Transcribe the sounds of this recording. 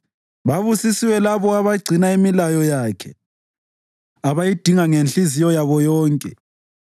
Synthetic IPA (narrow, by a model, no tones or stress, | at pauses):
βaβusisiwɛlaβɔaβaɡ͡ǀʱinaimilajɔjaːkʰɛ | aβajid̥ʱiŋaŋenɬizijɔjaβɔjɔːŋkʼɛ